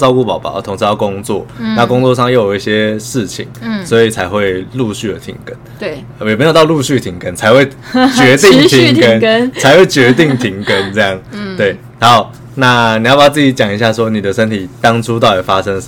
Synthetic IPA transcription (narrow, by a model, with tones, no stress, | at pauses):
t͡sɑ˥˧ʊku˥˩pɑ˨˩ʊpɑ̰˨˦t̪ʰʊ˧˥ŋʂʰɻ̩˧jɑ˥˩ʊkʊ˦˥ŋt͡swɔ˥˨na˥˨kʊ˥ŋt͡swɔ˥˧ʂɑ˥˧ŋjo˥˩ʊjo˨˦i˥˩ɕjɛ˦ʂɻ̩˥˩t͡ɕʰḭ˨˩˦ŋswɔ˧˥i˨t͡sʰa˧˥ɪxwe˥˧ɪlu˥˧ɕy˥˩lə˩t̪ʰḭ˧˥ŋkə˦n | jme˧˥jo˨˩t̪ɑ˥˧lu˥˧ɕy˥˩t̪ʰi˨˥ŋkə˦nt͡sʰa˧˥ɪxwe˥˩ɪ | t͡ɕɥɛ˧˥t̪i˥˧ŋt̪ʰi˧˥ŋkə˦n˥t͡sʰa˧˥ɪxwe˥˩ɪt͡ɕɥɛ˧˥t̪i˥˩ŋt̪ʰi˧˥ŋkə˦nt͡sɤ˥˧jɑ˥˩ŋt̪we˥˩ɪ | a˧˦ʊ | na˥˧ni˨jpa˨˩t͡sɨ˥˩t͡ɕi˧˩˥t͡ɕjɑ˨˩ŋi˧˦ɕ̬ja˥˩ʂwɔ˥ni˨˩d̪ə˦ʂə˥nt̪ʰi˨˩t̪ɑ˥ŋʈ͡ʂʰu˥t̪̬ɑ˥˩ʊjɛ˨˩fa˥ʂə˦˥ŋ